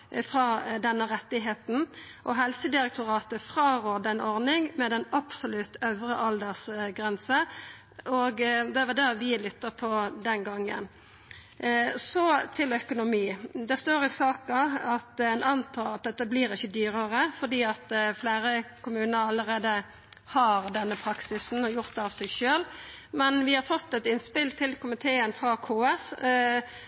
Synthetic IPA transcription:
fʁɑːd̪ɛnːəʁɛt̪ːɪɦeːt̪n̩ʔɔɦɛlsəd̪ɪɾɛk̚t̪ʰʊʁɑːt̪əfʁɑːʁoːd̪ɛnɔʁnɪŋmɛd̪ɛnɑpsʊlʉt̪œʋɾəʔɑld̪əsɡʁɛnsə | ɔɡd̪ɛæʋɑd̪æʁʋɪlʏt̪ːəpʰɔd̪ɛnɡɑŋːə̰n | sɔt̪ʰɪlœkʊnʊmiːd̪ɛst̪oːɾɪsɑːkɑɑt̪ɛɪnɑnt̪ʰɑːlɑt̪̚d̪ɛt̪ːəbliːɾɪçːəd̪yːɾəɾəfɔd̪iːɑt̪fleːɾəkʊmʉːnəɾɑlːəɾeːd̪ə | hɑɾd̪ɛnːəpʰɾɑksɪsn̩ɔjʊʁt̪̚d̪ɛɑʋsɛɡʃøːl | mɛnʋɪhɑɾfɔt̪ːɛt̪ɪnspɪlt̪ʰɪlkʰʊmɪt̪ʰeːənfɾɑːkʰoːɛs

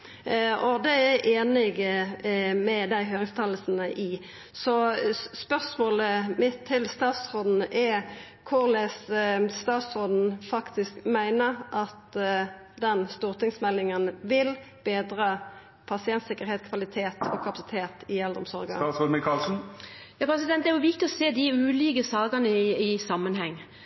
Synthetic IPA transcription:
ɔd̪ɛæʔeːnɪɡ | mɛd̪æɪɦøːɾɪŋst̪ʰɑləsn̩əʔɪ | sɔspœʁsmoːləmɪt̪ʰːɪlst̪ɑːt̪sʁoːd̪n̩ʔɛɾ | kʰʊʁlɛsst̪ɑːt̪sʁoːd̪n̩fɑkt̪ɪskmæɪnəɾʔɑt̪ | d̪ɛnst̪uːʁt̪ʰɪŋsmɛlːɪŋənʋɪl | b̥eːd̪ɾɑ | pʰɑsɪɛnt̪sɪkːəɾheːt̪kʰʋɑlɪt̪ʰeːt̪ɔkʰɑpɑsɪ̥t̪ʰeːt̪ɪɛld̪ʁɔ̰msɔ̰ʁɡə̰sod̪mɪkʰɑlsn̩jɑːpʰɾɛsɪd̪ɛnt̪̚d̪ɛæjʊʋɪk̚t̪ɪɔseːd̪ɪʉːliːkəsɑːɡənəɪɪsɑmːənhɛŋː

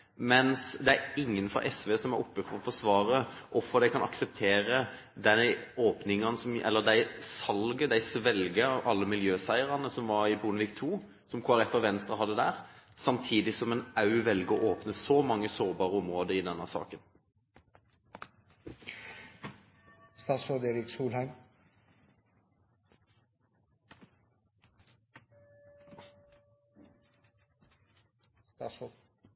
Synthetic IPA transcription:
mɛnsd̪ɛæɾɪŋːənfɔ̰ʔɛsʋeːsɔmæɾɔpːəfɔɾɔfɔsʋɑːʁəʔɔfɔd̪æɪkʰɑnɑ̰ksəp̚t̪ʰeːɾə | d̪ɛoːpnɪŋɑnəsɔmʔɛ̰lːəd̪æɪsɑlɡəd̪æɪsʋɛlɡəʔɑlːəmɪljøːsæɪəɾɑnəsɔmʋɑɾɪbunəʋiːkt̪ʰuː | sɔmkʰoːæɾɛt̪ːəɾʋɛnst̪ʁəɦɑd̪ːəd̪æːʁsɑmt̪ʰiːd̪ɪsɔmɛnɑʉʋɛlɡəoːʔoːpnəsɔmɑŋːəsoːʁbɑːʁəɔmʁoːd̪əʁiːd̪ɛnːəsɑ̰ːkən | st̪ɑsɔd̪eːɾɪksuːlhæɪm | t̪ɑsɔ

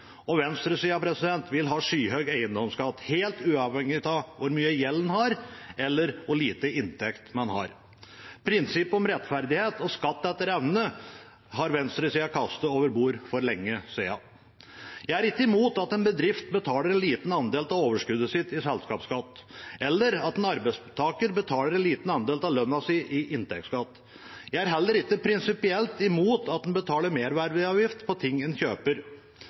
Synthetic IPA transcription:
ɔʋɛnst̪ɾəsiːɑpʰɾɛsɪd̪ɛnt̪ʋɪlɦɑːʂyːɦœɡæɪənd̪ɔmskɑt̪ːheːlt̪ʉːɑʋhɛŋːɪt̪ɑʋʊɾmyːəjɛlːnhɑɾɛlːəɾʋʊɭiːt̪əɪnt̪ʰɛkt̪mɛnhɑ̰ɾ | pʰɾɪnsɪpːɔmɾɛt̪fæɾd̪ɪheːt̪ɔskɑt̪ːɛt̪ːəɾɛʋnə | ɦɑɾʋɛnst̪ɾəsiːɑkʰɑst̪əoːʋəɾbuːɾfɔɾlɛŋːəsiɑ̰ | jæɪæɾɪkːəɪmuːt̪ɑt̪ɛnbəd̪ɾɪft̪bət̪ʰɑːləɾɛnliːt̪n̩ɑnd̪eːlt̪ɑʋoːʋəʂkʉd̪əsɪt̪ɪsɛlskɑːpskɑt̪ːʔɛlːəɾɑt̪ɛnɑɾbæɪst̪ʰɑːkəɾbət̪ʰɑːləɾɛnliːt̪nɑnd̪eːlt̪ɑʋlœnːɑsiʔɪʔɪnt̪ʰɛ̰k̚t̪skɑt̪ː | jæɪæɾɦɛlːəɾɪkːəpʰɾɪnsɪpɪɛlt̪ɪmuːt̪ɑt̪̚d̪ɛnbət̪ʰɑːləɾmeːɾʋæɾʋɪɑːʋjɪft̪pʰɔt̪ʰɪŋːɛnçøːpəɾ

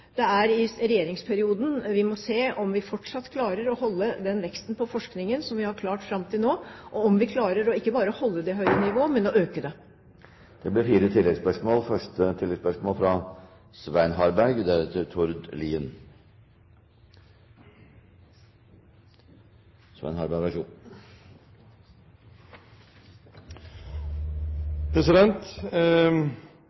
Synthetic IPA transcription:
d̪̥ɛæɾɪɾɛjeːɾɪŋspʰæɾɪuːd̪n̩ʋɪmɔseːɔmʋɪfɔʈʂɑt̪ːkʰlɑːɾəɾɔhɔlːəd̪ɛnʋɛkst̪npʰɔfɔʂknɪŋənsɔmʋɪhɑɾkʰlɑːʈfɾɑmt̪ʰɪlnoːʔɔɔmʋɪkʰlɑːɾəɾɔɪkːəbɑːɾəɔhɔlːəd̪ɛɦœʏɾənɪʋoːmɛnɔøːkəd̪ɛ | d̪̥ɛblɪɾfiːɾət̪ʰɪlːɛɡspœʂmoːlfœʂʈət̪ʰɪlːɛɡspœʂmoːlfɾɑ | sʋæɪnɦɑɾbæɾɡd̪æɾɛt̪ʰːɪɾt̪ʰʊɾd̪liːən | sʋæ̰ɪnhɑɾbæʋæʂṵː | pʰɾɛsɪd̪ɛnt̪

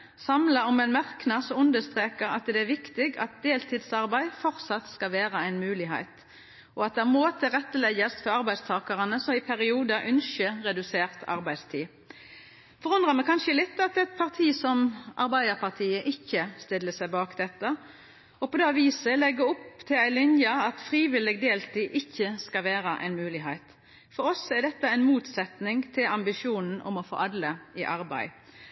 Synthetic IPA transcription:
sɑmlɑɔmɛnmæʁknɑsɔʉnd̪əst̪ʁeːkəʁɑt̪d̪ɛæɾʋɪkt̪ɪɡɑ̰t̪̚d̪eːlt̪ʰiːd̪sɑʁbæɪfɔʁt̪sɑt̪skɑlʋeːʁəæɪnmʉːlɪɦæ̰ɪt̪ | ʔɔɑt̪̚d̪ɛæmoːt̪ʰɪʁɛt̪ːəlɛɡəst̪fɔʁɑʁbæɪst̪ʰɑːkɑʁənəsɔmɪpʰæɾɪuːd̪ɑʔʉnʃəʁɛd̪ʉseːʁt̪ʰɑ̰ʁbæɪd̪st̪ʰiː | fɔʁʉnd̪ʁɑmɛkʰɑnʃəlɪt̪ːɑt̪ɛt̪̚pʰɑʁt̪ʰiːsɔmʔɑ̰ʁbæɪd̪əʁpɑʁt̪ʰiːəʔɪçːəst̪ɪlːəsæɪbɑːkd̪ɛt̪ːə | ɔpɔd̪eːʋiːsəlɛɡːəʊpt̪ʰɪlæɪlʏnjəɑt̪fʁiːʋɪlɪɡd̪eːlt̪ʰiːʔɪçːəskɑʋeːɾəʔæ̰ɪnmʉːlɪɦæɪt̪ | fɔɾɔsɛɖ̪ɛt̪ːəæɪnmuːt̪sɛt̪nɪŋt̪ʰɪlɑmbɪʂjuːnn̩ɔ̰mɔfo̰ːʔɑd̪ləɪʔɑɾbæ̰ɪ

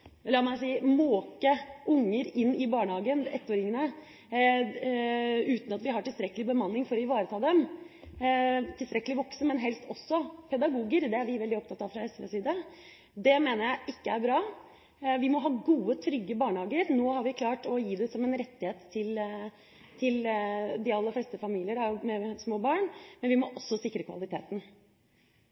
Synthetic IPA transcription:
lɑːmæɪsiːmoːkəʔʊŋːəɾɪnːɪbɑːɳhɑːɡənɛ̰t̪ːoːɾɪŋnə | ʉːt̪n̩ɑt̪ʋɪɦɑʈɪlst̪ɾɛkːəlɪbəmɑnːɪŋfɔɾɔɪʋɑːɾət̪ʰɑːd̪ɛm | t̪ʰɪlst̪ɾɛkːəlɪʋɔksəmɛnɦɛlst̪ɔsːɔpʰɛd̪ɑɡuːɡəɾd̪ɛæɾʋɪʋɛld̪ɪɔp̚t̪ɑt̪ːɑʋfɾɑɛsʋḛːsiːd̪ə | d̪ɛmeːnəɾjæɪʔɪkːəæɾbɾɑː | ʋɪmɔɦɑːɡuːət̪ʰɾʏɡːəbɑːɳhɑːɡəɾnoːhɑɾʋɪkʰlɑːʈɔjiːd̪ɛsɔmɛnɾɛt̪ːɪheːt̪ʰːɪl | t̪ʰɪld̪ɪɑlːəɾflɛːst̪əfɑmiːlɪəɖɑmɛsmoːbɑːɳmɛnʋɪmɔʔɔsːɔsɪkːɾəkʰʋɑ̰lɪt̪ʰeːt̪n̩

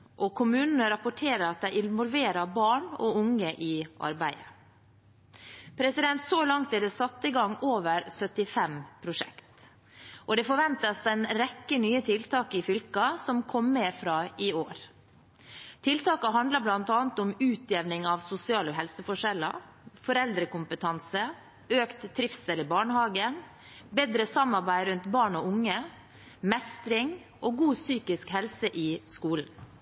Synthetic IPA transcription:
ʔɔkʰʊmʉːnənəɾɑpʊʈʰeːɾəɾɑt̪̚d̪æɪɪnʋɔlʋeːɾɑɾbɑːɳɔ̰ʊŋːəʔɪʔɑ̰ɾbæɪə | pʰɾɛsɪd̪ɛnt̪sɔlɑŋt̪ɛd̪ɛsɑt̪ːəɪɡɑŋːoːʋəɾsœt̪ɪfɛmpʰɾʊʂɛ̰kt̪ | ʔɔd̪ɛfɔɾʋɛnt̪ɑsɛɪnɾɛkːənyːət̪ʰɪlt̪ʰɑːkɪfʏlkɑsɔmkʰɔmːɛfɾɑːɪoːɾ | t̪ʰɪlt̪ɑːkɑɦɑnd̪ləblɑnt̪ɑːnt̪ɔmʉːt̪ʰjeːʋnɪŋɑʋsʊsɪɑːləɦɛlsəfɔʂɛlə̰ɾ | fɔɾɛld̪ɾəkʊmpət̪ʰɑnsə | øːkt̪ʰːɾɪfsɛlɪbɑːɳəhɑːɡən | beːd̪ɾəsɑmːɑɾbæɪɾʉnt̪bɑːɳɔʊŋːə | mɛst̪ɾɪŋ | ʔɔɡuːsyːkɪskhɛlsəʔɪskuːln̩

